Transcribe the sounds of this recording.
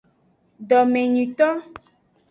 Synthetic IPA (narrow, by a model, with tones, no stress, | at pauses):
ɖɔ˨mẽ˨ɲũ˨t̪ɔ˦